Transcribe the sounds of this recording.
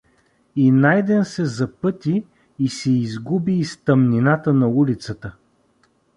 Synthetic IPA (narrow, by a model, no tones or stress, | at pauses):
inajd̪ɛnsɛzɐpɤt̪iː | sɛizɡubiːst̪əmninat̪ənɐulit̪sət̪ə